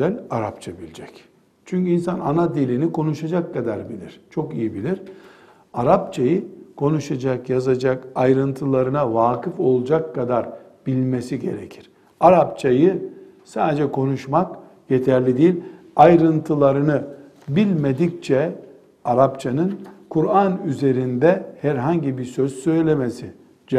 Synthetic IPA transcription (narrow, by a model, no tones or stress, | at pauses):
ælʲaɾap̚t͡ʃʰabilʲid͡ʒɛc | t͡ʃʰyɲʲcyinsananad̪ilʲiniko̞nuʃad͡ʒakːad̪aɾbilʲiɾ̥t͡ʃʰo̞kijibilʲiɾ | aɾap̚t͡ʃʰajɯkʰo̞nuʃad͡ʒakjazad͡ʒakajɾɯnt̪ʰɯlˠaɾɯnavaːkɯfo̞lˠd͡ʒakːad̪aɾ | bilʲmesiɟe̞̰ɾḛcʰiɾ̥ | aɾap̚t͡ʃʰajɯ | saːd̪ed͡ʒɛkʰo̞nuʃmak | jet̪ʰæɾlʲid̪ijːlʲ | ajɾɯnt̪ʰɯlˠaɾɯnɯ | bilʲmed̪ict͡ʃʰɛ | aɾapt͡ʃʰanɯnkʰuɾanyze̞ɾind̪ɛhæɾɦaɲɟibisøz̥sø̞jlʲemesi | d͡ʒ